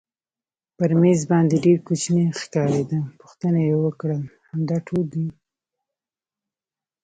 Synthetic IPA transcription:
pəɾmezbɑnd̪eɖeɾkut͡ʃnexkɑɾed̪apu̥xt̪ənajewəkɽəlhamd̪ɑʈʰold̪i

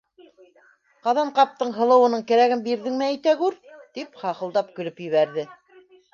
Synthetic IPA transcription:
qɑðɑɴqɑp̚t̪ɤɴɦɤ̆lˠɤ̆wɤ̆nɤɴkæɾæɡɘmbiɾðɘŋmæːjt̪æɡʉɾt̪ipχɑqɤ̆lˠd̪ɑp̚kɵ̆lɵpjɵ̆βæɾðɘ

